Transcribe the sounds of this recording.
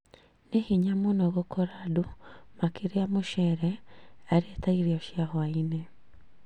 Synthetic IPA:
nehiɲamonɔɣokɔɾadumakeɾeamoʃɛɾɛaɾeetaiɾeɔʃiahɔainɛ

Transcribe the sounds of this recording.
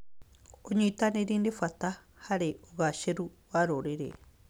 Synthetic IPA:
oɲĩt̪aneɾinefat̪a | haɾeoɣaʃeɾu | βaɾoɾeɾḛ

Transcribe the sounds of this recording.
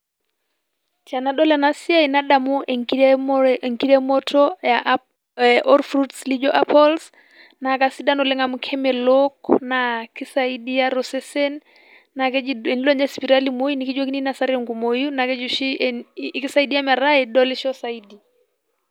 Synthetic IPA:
t͡ʃanaɗɔlanasiainaɗamu | ŋkiɾɛmɔtʰɔja | ɔɾfɾutslid͡ʒɔʔapʰɔls | nakasidanɔlɛŋamukʰɛmɛlɔknakisaidijaɾɔsɛsɛnː | akɛɛnilɔɲɛspiɾalimojunikid͡ʒwokininasaɾiɔŋɡumojunakɛd͡ʒuʃikisaidijamaɾaɛɗɔlɛʃɔsaidi

